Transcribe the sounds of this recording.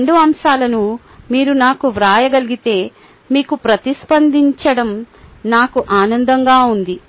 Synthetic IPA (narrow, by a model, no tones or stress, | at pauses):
ɳɖuɐmʃaːlɐnu | miːɾunaːkuʋɾaːjɐɡɐliɡit̪e̞ː | miːkupɾɐt̪ispɐnd̪iɲt͡ʃɐɽɐmnaːkuʔaːnɐnd̪ɐŋɡaːund̪i